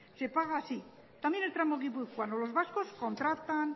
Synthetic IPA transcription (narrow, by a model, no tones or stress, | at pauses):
sepaɣaːsi | t̪amjenelt̪ɾamoɣiβukwand̪olo̞zβaskosko̞nt̪ɾat̪an